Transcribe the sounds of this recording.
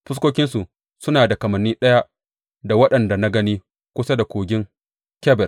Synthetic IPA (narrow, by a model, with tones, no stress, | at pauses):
ɸʊ˦s̬kʷoː˦kʲɪ˦nsu˨ | sʊ˦naː˨da˨kɐ˨mɐ˨nːiː˦ɗɐ˦ja˦ | da˨wɐ˦ɗɐ˨nda˨na˦ɡɐ˦niː˦ | kʷʊ˦sa˦da˨kʷoː˨ɡʲɪ˦ŋ | kʲɛ˦bɛ˨r